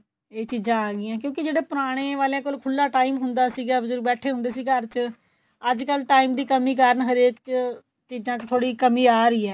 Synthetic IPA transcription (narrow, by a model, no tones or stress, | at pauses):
eːt͡ʃiːzãːaːɡɪjãːkjõːkɪd͡ʒeːɽeːpʊɾaːɽ̃eːʋaːleãːkoːlkʰʊlːaːʈaːimɦʊnd̪aːsiːɡaːbəzʊɾbɛːʈʰeːɦʊ̃nd̪eːsiːkəɾt͡ʃ | əd͡ʒkəlʈaːiːmd̪iːkəmiːkaːɾəɳɦəɾeːk | t͡ʃiːd͡ʒãːt͡ʃt̪ʰoːɽiːkəmiːaːɾəiːɛː